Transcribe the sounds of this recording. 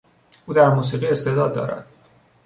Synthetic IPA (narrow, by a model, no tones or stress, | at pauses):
ʔuːd̪æɾmuːs̬iːʁiːest̪e̞d̪ɒːd̪ːɒ̰ːɾæ̰d̪̥